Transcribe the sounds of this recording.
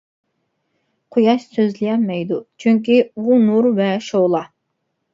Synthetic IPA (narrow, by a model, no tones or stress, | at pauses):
qʰojɑʃsøzlijɛnmɛjd̪ut͡ʃʰyŋk̬ʲibunuɾvɛʃolˠɑ